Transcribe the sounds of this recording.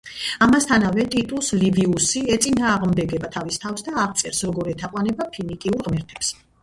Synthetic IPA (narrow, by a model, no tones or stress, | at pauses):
amast̪ʰanavɛt̪ʼit̪ʼusliviusiɛt̪sʼinaːʁmd̪ɛɡɛbat̪ʰavist̪ʰafsd̪aːʁt̪sʼɛɾsɾɔɡɔɾɛt̪ʰaqʼwanɛbapʰinikʼiuɾʁmɛɾt̪ʰɛps